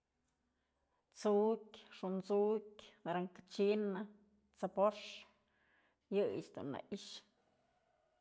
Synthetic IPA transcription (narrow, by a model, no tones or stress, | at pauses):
t͡sukʲʂunt͡sukʲd̪ɾaŋkat͡ʃina | t͡sapoʂ | jɨjḭt͡ʃd̪ṵnːa̰ʔiʃ